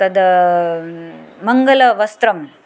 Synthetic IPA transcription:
ɐd̪ | mɐŋɡɐlɐʋɐst̪ɾɐm

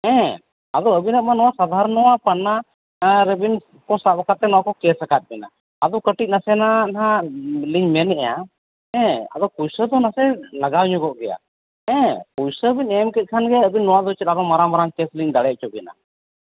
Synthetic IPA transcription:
ɛ̃ | ad̪ɔəbinət̪̚manɔwasad̪ʱaɾnɔwapanːa | ɾɛbin | kɔsabakat̪̚ːɛnɔwakɔkɛsakat̪̚bɛna̰ | ad̪ɔkəʈic̪̚ˀnasɛnanãliɲmɛnɛʔja̰ | ɛ̃a̰d̪ɔkujsəd̪ɔnasɛlaɡawɲɔɡɔʔɡɛja̰ | ɛ̃kujsəbiɲɛmkɛt̪̚kʰanɡɛəbinːɔwad̪ɔt͡ʃɛt̪aɾɔmaɾamaɾaŋkɛsliɲd̪aɽɛʔ̚t͡ʃɔbɛna̰

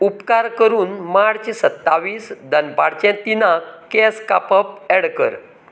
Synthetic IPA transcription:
upkaɾkəɾuːnmaɽt͡ɕesət̪ːaʋiːsd̪ʱənpaɽt͡ɕɛ̃t̪inakɛska̰pəp̚ɛɽkə̰ɾ

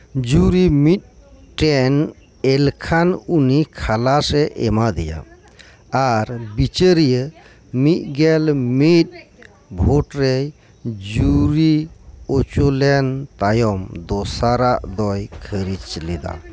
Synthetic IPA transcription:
d͡ʒuɾimit̪̚ʈɛn | elkʰanunikʰalasɛʔɛ̰mad̪ija̰ | aɾbit͡ʃəɾijə | mit̪̚ɡɛlmit̪̚ | bʱoʈɾej | d͡ʒuɾiot͡ʃolɛnt̪ajɔmd̪ɔsaɾaʔd̪ɔjkʰəɾit͡ʃled̪a̰

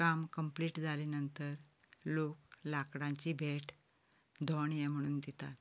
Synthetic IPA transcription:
amkəmpliːʈd͡zʱalinənt̪əɾ | loklakɽãɲt͡ɕiːbʱeʈ | d̪ʱɔɳjɛm̤əɽ̃uːnd̪it̪at̪

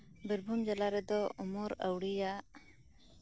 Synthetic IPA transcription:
biɾbʱumd͡ʒalaɾɛd̪ɔɔmɔɾəwɽija

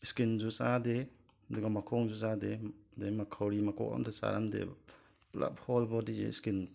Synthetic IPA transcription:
skinzusade | ɐduɡamakʰɔŋzusadedemakʰawɾimakɔ̰ʔa̰ntʰɔsa̰ɾa̰mdḛ | pla̰p̚hɔlbɔdizḛskin

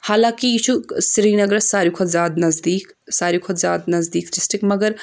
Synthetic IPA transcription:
haːlãːkiit͡ʃʰusɾiːnɐɡɾɐsaːɾjikʰod̪zʲaːd̪nɐzd̪iːk | saːɾikʰod̪zʲaːd̪nɐzd̪iːkd͡ʒɪsʈɪkmɐɡəɾ

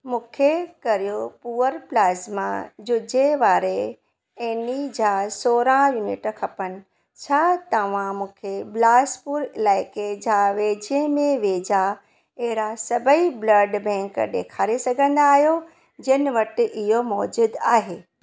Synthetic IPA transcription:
mũːkʰekɐɾijopuːəɾplaːzmã̰d͡ʑʊd͡ʑeʋaːɾe | enid͡ʑaːsoːɾãjuːnɪʈkʰɐpənɪ̆ | t͡ɕʰaːt̪ɐʋ̤ãmũːkʰeblaːspuɾɪlaːɪked͡ʑaːʋeːd͡ʑẽmẽʋeːd͡ʑa | ɐɦɪɾasɐbʱəiblɐɖbɛ̃ːŋkɗ̪eːkʰaːɾesɐɡʱə̃nd̪aːɦijo | d͡ʑɐnɪ̆ʋɐʈɪ̆ɪɦomɔːd͡ʑuːd̪aːɦeː

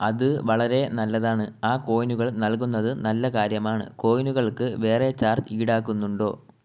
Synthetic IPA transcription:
ɐðɨʋɐɭɐɾe̞nɐlːɐðaːɳɨaːko̞ːjnuɣɐɭnɐlkunːɐðɨnɐlːɐkaːɾjɐmaːɳɨ̰ko̞ːjnuɣɐɭkɨʋe̞ːre̞t͡ɕaːrtiːɽaːkːunːuɳɖo̞ː

